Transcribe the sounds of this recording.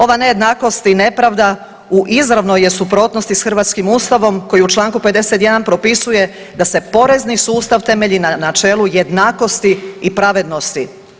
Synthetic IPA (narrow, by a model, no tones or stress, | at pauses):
o̞ʋaneje̞d̪naːko̞st̪ine̞pɾaʋd̪a | uʔizɾaʋnojesupɾo̞ːt̪nost̪isxr̩ʋaːt̪skimuːst̪aʋo̞mko̞jiut͡ʃlˠaːŋkupe̞d̪e̞set̪je̞d̪anpɾo̞pisuje̞ | d̪ase̞po̞ɾe̞znisuːst̪aʋt̪e̞me̞ʎinanat͡ʃe̞ːlˠuje̞d̪naːko̞st̪iːpɾaʋe̞d̪no̞st̪i